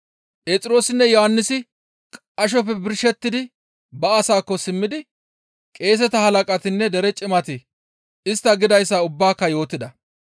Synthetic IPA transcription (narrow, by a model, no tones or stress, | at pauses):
pʼe̞ːt͡sʼɪɾo̞ːsɪnːɛjɔhɐnːɪsɪ | kʼ | ɐʃ̬ɔp̬ːɛbɪɾʃɛt̪ːɪd̪ɪ | bɐɐsaːkːɔsɪmːɪd̪ɪ | kʼe̞ːs̬ɛt̪ɐhɐlɐkʼɐt̪ɪnːɛd̪ɛɾɛt͡ʃʼɪmɐt̪ɪ | ɪst̪ːɐɡɪd̪ɐjsːaːʊbːaːkːɐjo̞ːt̪ːɪd̪ɐ